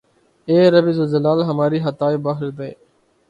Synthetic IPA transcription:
eːɾəbiːzəzəlaːlɦəmaːɾiːɦət̪aːibaːɦɪld̪ḛː

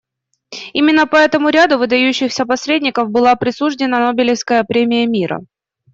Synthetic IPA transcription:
imʲɪnːəpɐɛt̪əmʊɾʲad̪ʊvɨd̪ɐjʉɕːɪxsʲəpɐsʲɾʲedʲnʲɪkəfbɨlˠapɾʲɪsuʐdʲɪnənobʲɪlʲɪfskəjəpɾʲemʲɪjəmʲiɾə̰

